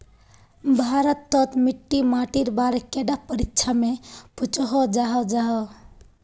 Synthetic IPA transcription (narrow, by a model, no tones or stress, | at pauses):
bʱaɾət̪ːɔt̪miʈːimaʈiɾbaɾkeɖapəɾikt͡ʃʰameput͡ʃɦɔd͡ʒaɦɔd͡ʒaɦɔ